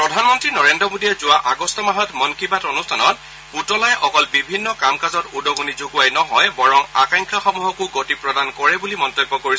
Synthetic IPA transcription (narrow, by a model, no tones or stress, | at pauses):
pɹɔdʱanmɔntɹinɔɹendɹɔmodijɛzʊaʔaɡɔstɔmaɦɔtmɔnkʰibatonustʰanɔt̚ | putɔlajʔɔkɔlbibʱinːɔkamkazɔtudɔɡonizoɡuajnɔɦɔjbɔɹɔmakaŋkʰaxɔmuɦɔkʊɡotipɹɔdankɔɹɛbulimɔntɔbːɔkoɹi